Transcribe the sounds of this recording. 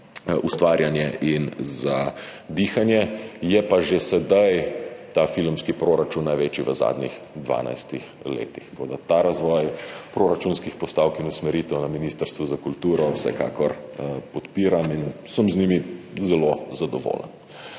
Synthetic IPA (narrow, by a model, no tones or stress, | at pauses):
ust̪ʋaːɾjanjɛʔinzad̪iːxanjɛjɛpaʒesɛd̪ajt̪afilmskipɾoɾat͡ʃunːajʋet͡ʃiʋəza̰d̪nʲix | d̪ʋa̰ːna̰jst̪ix | lḛːt̪ixt̪koːd̪at̪aɾazʋɔːjpɾoɾat͡ʃunskixpɔst̪aːwkinusmɛɾiːt̪ɛwnaminiːst̪əɾst̪ʋuzakult̪uːɾɔwsɛ̰ka̰kɔɾpɔt̪piːɾaminsəmznimizɛlozad̪ɔʋo̰ːlə̰n